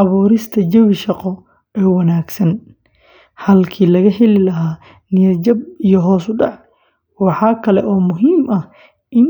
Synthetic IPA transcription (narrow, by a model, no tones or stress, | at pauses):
ɑβuːɾɪst̪ʰɐd͡ʒɐwɪʃɑqɔ | ɛːwɐnaːɡsɐn | hɐlkʰiːlɐɣɐhɛlɪlɐɦaː | nɪjɐt͡ʃɐb̚ijɞɦɔːsʊɖɑʕ | wɑħɑːkʰɐlɛʔɔːmʊɦiːmʔɐh | ʔɪn